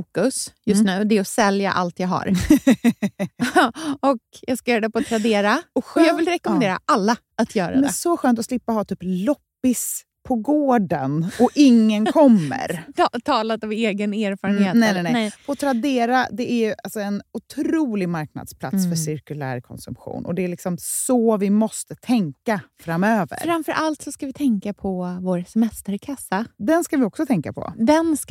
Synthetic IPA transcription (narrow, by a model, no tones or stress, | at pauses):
fuːkɵsjɵst̪nʉ̟ːd̪ɛːɔsɛlja̰ʔa̰lt̪jɑːɡɦa̰ɾ | ɔkjɑːɡskajœːɾad̪ɛpɔt̪ʰɾad̪eːɾaɔɔjɑːɡvɪlɾɛkɔmɛnd̪eːɾa̰ʔalːaʔat̪ʰjœːɾaddɛsɔɧøːnt̪ɔslɪpːahɑːt̪ʰyːplɔpːɪs | pʰɔɡoːɖə̰nɔɪŋːənkʰɔmːə̰ɾt̪ʰɑːlat̪ɔmeːɡəneːɾfɑːɾənheːtnɛnɛnɛfʰɔt̪ʰɾad̪eːɾad̪ɛæɾjɵʔalsɔɛnʊt̪ʰɾuːlɪɡmaɾkna̰d̪spʰla̰t̪sfœʂɪɾkɵlæ̰ːɾkʰɔ̰nsɵ̰mpɧṵːnʔɔ̰d̪ɛælɪksɔmsɔvɪmɔst̪ət̪ʰɛŋkafɾamøːvə̰ɾfɾamfœɾʔalt̪sɔskavɪt̪ʰɛŋkapʰɔvoːɾsɛmɛst̪əɾkʰasad̪ɛnskavɪɔksɔt̪ʰɛŋkapʰɔ̰d̪ɛns